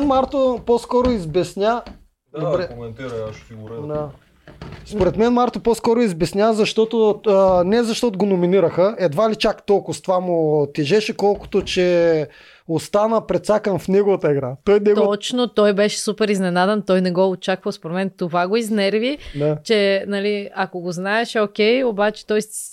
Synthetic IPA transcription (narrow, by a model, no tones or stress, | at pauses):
nmaɾt̪oposkɔɾʊizbɛsnʲa | dd̪obɾɛt̪ | d̪a | spoɾɛt̪mɛnmaɾt̪opɔskɔɾʊizbɛsnʲazɐʃt̪ɔt̪onɛzɐʃt̪ɔt̪ʊɡonominiɾəxəɛd̪valit͡ʃakt̪ɔlˠkʊst̪vamot̪ɛʒɛʃɛkɔlˠkʊ̥t̪ot͡ʃɛ | ost̪anəpɾɛt̪sakənfnɛɡovɐt̪əɛɡɾat̪ɔjnɛɡt̪ɔt͡ʃnot̪ɔjbɛʃɛ̥supɛɾiznɛnad̪ɛnt̪ɔjnɛɡɔot͡ʃakvɐspoɾmɛnt̪ovaɡoiznɛɾvit͡ʃɛnɐliɐkoɡoznaɛʃokʲɛjobat͡ʃɛ̥t̪ɔjs